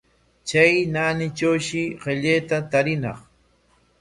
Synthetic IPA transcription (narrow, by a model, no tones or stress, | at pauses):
t͡ʃajnaːnɪt͡ʃawʃɪɢeʎejt̪at̪aɾɪnɑ̰χ